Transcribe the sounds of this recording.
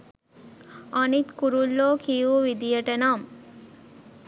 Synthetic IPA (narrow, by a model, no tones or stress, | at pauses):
anit̪kuɾulːoːkijuʋid̪ijəʈənam